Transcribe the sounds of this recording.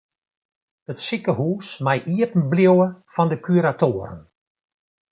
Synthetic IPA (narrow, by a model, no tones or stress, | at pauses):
ətsikəhuːsmajʔiəpn̩bljowəfɔndəkʰyɾatoəɾə̰n